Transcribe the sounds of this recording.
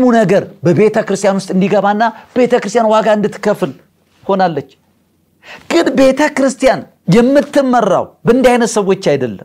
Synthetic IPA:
munəɡəɾbəbe̞t̪ʰəkɨɾɨst̪ʰjanwʊst̪ʼɨnd̪iɡəβanːab̥e̞t̪ʰəkɨɾɨst̪janwaɡaɨnd̪ɨt̪ːɨ̥kːəfɨl | ho̞nalːət͡ʃː | kʼɨd̪be̞t̪ʰəkɨɾɨst̪ijan | jɛmːɨt̪ːɨmːərːa̰wbəɨnd̪jajnət̪səwo̞t͡ʃːajd̪əlːəm

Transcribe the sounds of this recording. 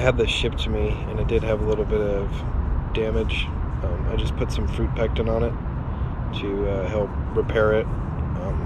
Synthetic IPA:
ɨd̪̚ðɨʃɪp̚tʰɨmiɨ̃nɨt̚d̥ɨd̚ɨvəlɪɾl̩ˠbɪɾʌv̥ | d̥æmɨdd͡ʒ | ʌ̃ma̰ɪd͡ʒʌspʰʊtsʌ̃ɱfɹʉt̚pʰæk̚tɨ̃nə̃nɨt̚ʰ | ɨʌhɛlˠp̚ɹɨpʰɛɹɪt̚ | ʌ̃m

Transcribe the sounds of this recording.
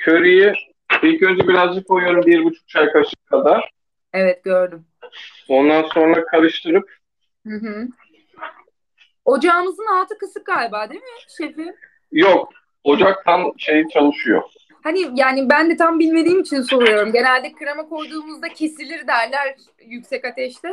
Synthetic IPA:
cʰøɾiji | bilkønd͡ʒ̪ɛbiɾazd͡ʒɯkʰojujo̞ɾumbiɾbut͡ʃʰu̥k̚t͡ʃʰajkat͡ʃɯ̥kkʰad̪aɾ̥ | ɛvɛt̪̚ɟø̞ɾd̪ym | o̞nd̪anso̞nɾakʰaɾɯʃt̪ʰɯɾɯp̚ | hɯɦɯ | o̞d͡ʒaːmɯzɯnhaːt̪ʰɯkɯsɯp̚ɡaːlʲbaːd̪emiʃefi | jok | o̞d͡ʒak̚t̪ʰamʃe̞jit͡ʃʰanˠɯʃujo̰ | hanijaːnibænd̪ɛt̪ʰambilʲme̞d̪iːmit͡ʃʰinso̞ɾujo̞ɾumɟe̞nælʲd̪ɛcʰːɯɾamakʰo̞jd̪uːmuzd̪acʰesilʲiɾd̪æɾlʲæɾ | jycsɛcat̪ʰɛʃt̪ʰɛ

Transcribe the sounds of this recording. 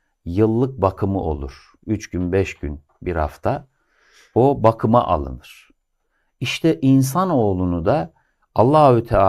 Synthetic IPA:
jɯlˠːɯk̚bakʰɯmɯʔo̞̰lˠuɾ̥ | yt͡ʃɟynbɛʃɟyn | biɾha̰ft̪ʰa | obakʰɯma̰ʔa̰lˠɯ̰nɯɾ̥ | iʃt̪ʰɛʔins̬ano̞ːlˠunud̪aː | lˠːaut̪ʰɛa

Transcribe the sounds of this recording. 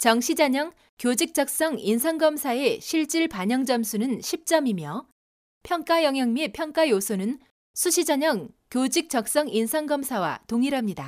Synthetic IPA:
t͡ɕʌŋɕʰid͡ʑaɲʌŋ | kjod͡ʑik̚t͡ɕ͈ʌk̚s͈ʌŋinsʰaŋɡʌmsʰae̞ɕʰiɭt͡ɕ͈iɭpaɲʌŋd͡ʑʌmsʰunɯnɕʰip̚t͡ɕ͈ʌmimjʌ | pʰjʌŋk͈ajʌŋɦjʌŋmipʰjʌŋk͈ajosʰonɯn | sʰuɕʰid͡ʑaɲʌŋkjod͡ʑik̚t͡ɕ͈ʌk̚s͈ʌŋinsʰaŋɡʌmsʰawa̰toŋiɾɦamɲida

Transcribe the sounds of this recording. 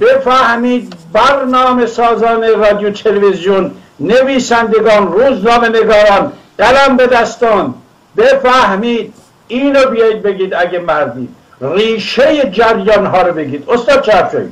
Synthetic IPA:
b̥efæhmiːd̪̚bæɾnɒːme̞sɒːzɒːnerɒːd̪ijot̪ʰelevezjonːeviːsænd̪eɡɒːnruːznɒːmeneɡɒːɾæm | ɢælæmbe̞d̪æst̪ɒːnd̪ | befæhmiːd̪̚ | iːnobijɒːjid̪̚be̞ɡiːd̪æɡemæɾd̪ḭː | riːʃejed͡ʒæɾjɒːnɦɒːɾobe̞ɡiːd̪ost̪ɒːd̪̚t͡ʃʰeæft͡ʃɒ̰jḭ

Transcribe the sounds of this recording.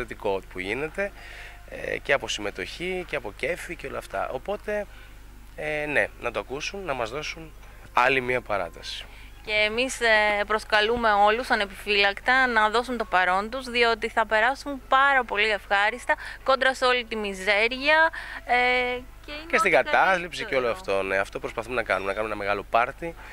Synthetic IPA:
et̪ikot̪puʝine̞t̪e̞ | ḛceɐpo̞sime̞t̪o̞çiceɐpo̞ce̞ficeo̞lɐːft̪ɐ̰ʔo̞po̞t̪e̞ | ne̞nɐt̪oɐkusunːɐmɐzðo̞sun | ɐlimiɐpɐɾɐ̰t̪ɐsi̥ | ce̞ːmispɾo̞skɐlume̞o̞lusɐne̞pifilɐkt̪ɐnɐðo̞sunt̪o̞pɐɾo̞nt̪uzðio̞t̪iθɐpe̞ɾɐsumpɐɾɐpo̞liefxɐɾist̪ɐko̞nd̪ɾɐso̞lit̪imize̞ɾʝɐe | ceicest̪iɡɐɐslipsiceo̞loɐft̪o̞ne̞ɐft̪o̞pɾospɐθumenɐkɐnumeɐkɐnumenɐmeɣɐlo̞pɐɾt̪i

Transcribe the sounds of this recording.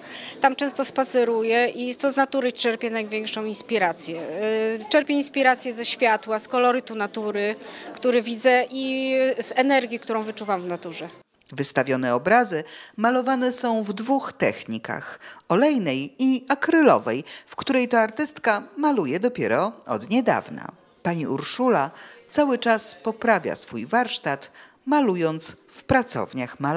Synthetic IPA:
t̪amt͡ʂɛ̃w̃st̪ɔspat̪sɛɾujɛʔit̪ɔznat̪uɾɘt͡ʂɛɾpʲjɛnajvʲjɛŋkʂɔ̃w̃inspʲiɾat̪sʲjɛt͡ʂɛɾpʲjɛinspʲiɾat̪sʲjɛzɛɕfʲjat̪waskɔlɔɾɘt̪unat̪uɾɘkt̪uɾɘvʲid̪zɛʔizɛnɛɾɡʲjikt̪uɾɔ̃w̃vɘt͡ʂuvamvnat̪uʐɛ | vɘst̪avʲjɔnɛɔbɾazɘmalɔvanɛsɔ̃w̃vd̪vuxt̪ɛxɲika̰xɔlɛjnɛjiakɾɘlɔ̰vɛjfkt̪uɾɛjt̪ɔaɾt̪ɘst̪kamalujɛd̪ɔpʲjɛɾɔɔ̰d̪ɲɛd̪a̰vna̰ | paɲiʔṵɾʂulat̪sawɘt͡ʂaspɔpɾavʲja̰sfujvaɾʂt̪at̪ | malujɔnt̪sfpɾat̪sɔ̰vɲaxmala

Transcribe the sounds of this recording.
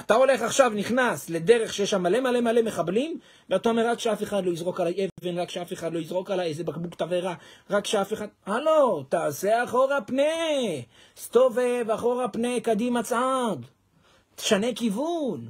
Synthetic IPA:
at̪ao̞le̞χaχʃavniχnasle̞de̞ʁe̞χʃejeʃamːale̞male̞male̞me̞χablim | veatao̞me̞ʁʁakʃeafe̞χad̪lo̞izʁo̞kalaʔevenʁakʃeafe̞χad̪lo̞izʁo̞kalaezebakbukt̪aveʁaʁakːʃeafeχad̪̚alot̪aːse̞aχo̞ʁapne | st̪o̞vevaχo̞ʁapnekad̪imat͡sad | t̪e̥ʃane̞kivun

